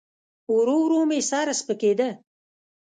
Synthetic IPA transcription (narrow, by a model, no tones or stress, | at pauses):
uɾowɾoːmesɑːɾaspəked̪ə